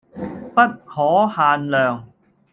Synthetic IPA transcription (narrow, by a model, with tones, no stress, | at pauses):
pɐ˥t̚hɔː˨˥haː˨˧nlœː˨ŋ